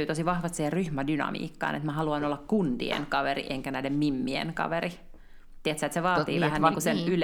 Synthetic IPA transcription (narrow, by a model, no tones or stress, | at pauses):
yːt̪osiʋɑhʋɑst̪siheryhmædynɑ̰mḭːkːɑ̰ːnʔḛt̪mæhɑluɑnolːɑkkunt̪ḭḛŋkɑʋerḭʔeŋkænæilemmimːiḛŋkɑ̰ʋeri | t̪ːiæt̪sæet̪seʋɑːt̪iːʋæhænʋɑŋkusenyl